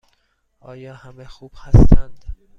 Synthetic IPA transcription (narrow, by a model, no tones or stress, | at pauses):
ʔɒːjɒːhæmexuːb̥hæst̪ænd̪̥